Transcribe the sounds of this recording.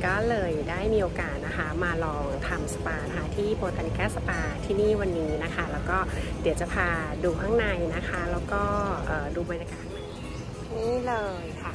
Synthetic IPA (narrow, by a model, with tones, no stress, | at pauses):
kɔː˥˩lɤː˧jdaː˥˩jmiː˧ʔoː˧kaː˨˩t̪̚na˦˥kʰa˦˥maː˧lɔː˧ŋt̪ʰa˧msa˧paː˧n˦˥kʰa˦˧˥t̪ʰiː˥˩poː˧t̪aː˧ni˧kaː˥˩sa˧paː˧t̪ʰiː˥˩niː˥˩wa˧nːiː˦˥na˦˥kʰa˦˥lɛː˦˥wkɔː˥˩d̪i˨˩˦wt͡ɕa˨˩pʰaː˧duː˧kʰa˥˩ŋna˧jna˦˥kʰa˦˥lɛː˦˥wkɔː˥˩˥ʔɤː˨˩duː˧bɔ˧njaː˧kaː˨˩t̪̚ma˨˩j | niː˦˥lɤː˧jkʰa˥˩